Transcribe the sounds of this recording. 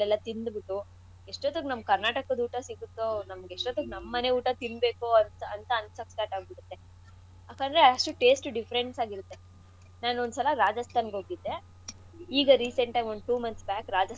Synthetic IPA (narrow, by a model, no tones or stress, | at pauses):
lɛlːɐt̪ind̪biʈːu | eʂʈot̪ːɐɡnɐmkɐɾnaːʈɐkɐd̪uːʈɐsiɡut̪ːoːnɐmɐɡeʂʈot̪ːɐɡnɐmːɐneuːʈɐt̪inbe̞ːkoɐnɐnt̪ɐːnsɐkskaːʈaːɡ̚biɽut̪ːe̞ | aːkaːnd̪ɾeɐʂʈuʈe̞ːsʈɖipʰɐɾenʈsaːɡiɾut̪ːe̞ | naːnuond̪sɐlɐɾaːd͡ʒɐst̪ʰaːnɡɦoːɡid̪ːe̞ | iːɡɐɾiːseɳʈɐjmoɳɖ̚ʈuːmɐnt̪sbaːkɾaːd͡ʒɐ